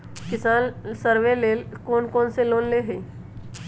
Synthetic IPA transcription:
kɪsaːnsəɾʋeleːlkoːnkoːnseloːnleɦeː

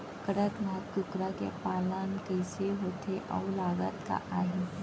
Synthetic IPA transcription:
kəɽət̪ʋakʊkɾakḛpaːlankəɪseɦoːt̪ʰeʔɔ̰ːlaːɡət̪ka̰ʔaːɦiː

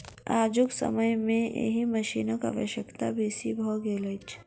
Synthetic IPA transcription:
aːd͡ʒʊksə̰məjmẽḛɦimɐʃiːnəka̰ʋə̰ʃəkt̪abʱiːsibʱɔːɡeːlət͡ʃ

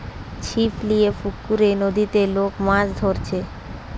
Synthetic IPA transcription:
t͡ɕʰipʰlijefukːuɾenod̪it̪elokmãd͡ʑd̪ʱoɾt͡ɕʰe

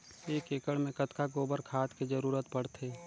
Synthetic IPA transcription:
eːkeːkəɽmẽkət̪kaɡoːbəɾkʰaːt̪kid͡ʒəɾuːɾət̪pəɽ̤t̪ʰeː

